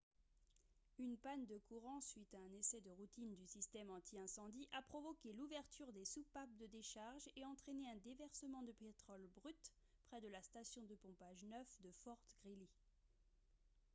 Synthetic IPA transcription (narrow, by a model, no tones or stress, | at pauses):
ynpand̪əkuʁɑ̃sɥit̪aɛ̃nesɛd̪əʁut̪ind̪ysist̪ɛmɑ̃t̪ʰiɛ̃sɑ̃d̪iʔapχɔvɔkʲeluvɛʁt̪yʁd̪esupap̚d̪əd̪eʃaʁʒeɑ̃t̪χeneɛ̃d̪evɛʁsəmɑ̃d̪əpet̪χɔlbʁyt̪ | pχɛd̪əlast̪asjɔ̃d̪əpɔ̃paʒnœfd̪əfɔʁt̪ɡ̥ʁili